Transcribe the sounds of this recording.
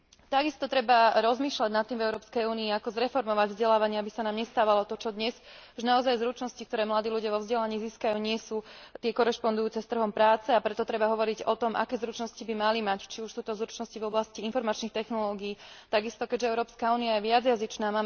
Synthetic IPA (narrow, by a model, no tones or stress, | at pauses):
t̪aɡist̪ɔt̪ɾɛbaɾɔzmiːʃlaɟnat̪ːimvɛʊɾɔːpskɛjuːniːakɔzɾɛfɔɾmɔʋaɟvzɟɛlaːʋaɲɪaabisanaːmɲɛst̪aːʋalɔt̪ɔt͡ʃɔd̪ɲɛsuʒnaɔzajzɾut͡ʃnɔscikt̪ɔɾɛːmlad̪iːluɟɪaʋɔvzɟɛlaɲiːziːskajuːɲɪɛsuːt̪ɪɛkɔɾɛʃpɔnd̪ujuːt͡sɛst̪r̩ɦɔmpɾaːt͡sɛapɾɛt̪ɔt̪ɾɛbaɦɔʋɔɾiɟɔt̪ɔmʔa̰kɛːzɾut͡ʃnɔscibimalimact͡ʃiuʃsuːt̪ɔzɾut͡ʃnɔscivɔblasciinfɔɾmat͡ʃnixt̪ɛxnɔlɔːɡiːt̪aɡist̪ɔkɛɟʒɛɛʊɾɔːpskauːniajɛʋɪad͡zjazit͡ʃnaːmaː